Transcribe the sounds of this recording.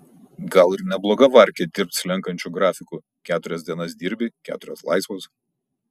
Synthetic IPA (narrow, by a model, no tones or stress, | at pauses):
ɡɐlˠɪɾnʲɛblˠoːɡɐʋɐɾʲkʲɛd̪ʲɪɾp̚t̪slʲɛŋkɐnʲt͡ʃʲuːɡɾɑːfʲɪku | kʲæːt̪ʊɾʲɛsd̪ʲiɛnɐs̬d̪ʲiːɾʲbʲɪkʲæ̰ːt̪ʊɾʲoslˠɐ̰ɪsʋoːs